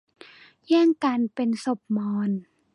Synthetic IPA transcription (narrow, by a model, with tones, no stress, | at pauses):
jɛː˥˩ŋkaː˧npe˧nso˨˩p̚mɔː˧n